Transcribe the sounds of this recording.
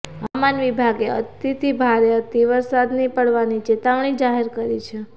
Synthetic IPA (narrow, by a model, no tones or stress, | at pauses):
ʋamanʋibʱaɡeə̰t̪it̪ʰibʱaɾeət̪iʋəɾsad̪nipəɽʋanit͡ʃet̪aʋɳ̃id͡ʒaɦeɾkəɾit͡ʃʰe